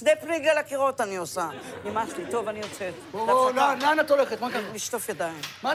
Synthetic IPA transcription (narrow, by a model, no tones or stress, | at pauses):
sd̪epliɡalakiʁo̞taniosanimaʃlit̪o̞vaniot͡se | oaonananat̪oleχet̪makaliʃt̪ofjadaimma